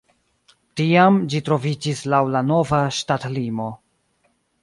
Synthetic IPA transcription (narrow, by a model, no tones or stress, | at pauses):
tiamd͡ʒitɾo̞vid͡ʒislawlano̞vaʃtatlimo̞